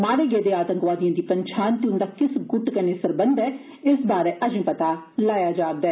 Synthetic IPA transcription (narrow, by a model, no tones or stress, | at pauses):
maːɽeɡeːd̪eaːt̪ə̃ŋkʋaːd̪ijãːd̪iːpɐɲt͡ʃʰaːnt̪iʊ̃nd̪aːkɪsɡʊʈkɐneːsɐɾbə̃nd̪ɛː | ɪsbaːɾɛʔɐd͡ʒĩpɐt̪a | laːjad͡ʒaːbd̪ɛː